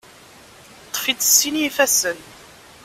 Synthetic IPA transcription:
t̪ˤːfit͡s̪əsːinifæsən

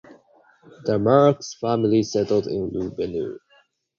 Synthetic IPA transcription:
dəmaɹksfæmɪlisɛtl̩ˠdɪ̰̃nlubɛnṵ

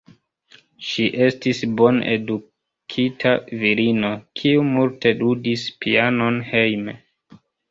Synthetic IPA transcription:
ʃiʔe̞stisbo̞nḛdu | kʰitʰaviɾino̞kʰiumultʰe̞dudispiano̞nhe̞jme

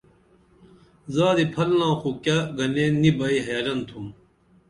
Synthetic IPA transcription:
zaːd̪ipʰɐlnãːxukaɡɐnenibɐiɦɐjaːlɐnt̪ʰum

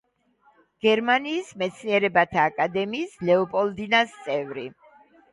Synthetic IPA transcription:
ɡ̥ɛɾmaniːsmɛt̪sʰniɛɾɛbat̪ʰaːkʼad̪ɛmiːslɛɔpʼɔlˠd̪inast̪sʼɛvɾi

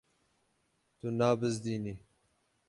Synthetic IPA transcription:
t̪unaːbəzd̪iːni

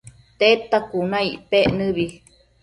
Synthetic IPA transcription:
t̪et̪akunãiʔpeʔnɨβi

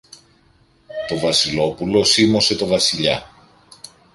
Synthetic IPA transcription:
t̪o̞vɐsilo̞pulo̞simo̞se̞t̪o̞vɐsiʎɐ̰

